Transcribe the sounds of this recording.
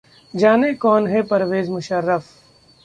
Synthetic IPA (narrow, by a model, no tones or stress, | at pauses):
d͡ʒaːnekɔːnɦɛpɐɾʋeːzmʊʃəɾːəf